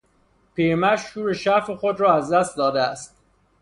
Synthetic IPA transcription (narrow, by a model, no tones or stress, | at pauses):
pʰiːɾmæʃhuːɾeʃæɾfexod̪ɾɒːæzd̪æst̪̚d̪ɒːd̪eæst̪̚